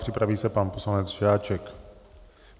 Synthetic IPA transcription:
pr̥ɪpɾaviːsɛpanpo̞slanɛt͡sʒaːt͡ʃɛk

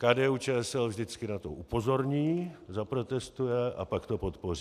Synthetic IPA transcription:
kaːdɛːuːt͡ʃɛːɛsɛlvʒdɪt͡skɪnat̪oʔupo̞zo̞ɾɲiːzapɾo̞t̪ɛst̪ujɛʔa̰pakt̪o̞po̞t̪po̞riː

